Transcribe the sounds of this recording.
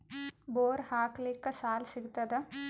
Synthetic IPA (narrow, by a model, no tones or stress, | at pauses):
boːɾhaːkliːkːɐsaːlsiɡut̪ːɐd̪e